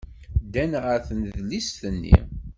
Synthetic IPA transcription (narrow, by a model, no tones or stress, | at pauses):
d̪ænʁəɾθənðlisθənːḭ